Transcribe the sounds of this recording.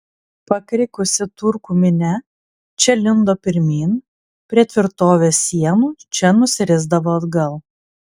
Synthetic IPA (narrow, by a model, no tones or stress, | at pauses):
pɐkɾʲɪkʊsʲɪt̪ʊɾkuːmʲɪnʲɛ | t͡ʃʲɛlʲɪnd̪oːpʲɪɾʲmʲiːn | pʲɾʲiɛt̪ʲʋʲɪɾt̪oːʋʲeːsʲiɛnuːt͡ʃʲɛnʊsʲɪɾʲɪzd̪ɐʋoːɐd̪ɡɐlˠ